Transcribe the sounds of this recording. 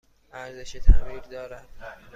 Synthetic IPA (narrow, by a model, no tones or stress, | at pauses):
æɾzeʃet̪ʰæbiːɾd̪ɒːɾæd̪̥